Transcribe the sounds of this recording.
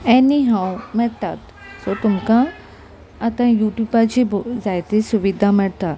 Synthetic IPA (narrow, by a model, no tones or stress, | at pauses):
ɛniɦaːũmɛ̃t̪at̪ | sot̪ʊmkã | ɐt̪ãjuːʈjuːbat͡ʃibzaːjt̪esʊʋid̪ʱamɛ̃t̪a